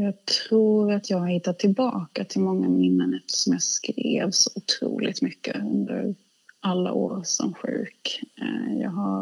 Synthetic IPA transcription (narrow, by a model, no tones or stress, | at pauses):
jɑːt̪ʰɾuːɾat̪ʰjɑːɡhɪt̪ːat̪ʰːɪlbɑːkat̪ʰɪlmɔŋːamɪnːənɛft̪ʰə̥ʂɔmjɑːskɾeːvsɔʊt̪ʰɾṵːlɪt̪mʏkːəɵnd̪əɾ | ʔalːa̰ʔoːɾsɔmɧʉ̟ːk | jɑːɡɦaɾ